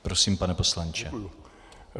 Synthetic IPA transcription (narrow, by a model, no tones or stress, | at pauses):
pɾosiːmpanɛposlant͡ʃɛ